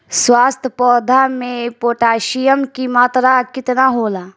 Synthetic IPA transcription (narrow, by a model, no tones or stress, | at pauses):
swaːst̪ʰəpɔːd̪ʱamẽpoːʈaːʃijəmkimaːt̪ɾakɪt̪naɦoːlaː